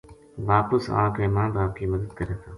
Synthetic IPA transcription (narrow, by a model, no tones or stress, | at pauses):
ʋaːpəsã̰ːkẽːmãːɳbaːb̚kiːməd̪əd̪̚kəɾeːt̪ʰãː